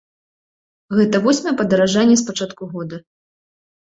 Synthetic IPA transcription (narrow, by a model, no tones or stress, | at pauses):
ɣɛt̪ɐvɔsʲmɐjɛpɐd̪ɐɾaʐanʲːɛspat͡ʂat̪kuɣɔd̪ɐ